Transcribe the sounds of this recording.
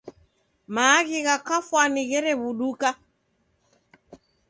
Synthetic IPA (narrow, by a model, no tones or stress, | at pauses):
maːɣiɣakafwaniɣɛɾɛβuɗuka